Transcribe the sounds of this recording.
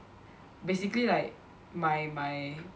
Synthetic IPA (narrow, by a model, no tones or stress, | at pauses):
besiklilaɪk̚ | majmaj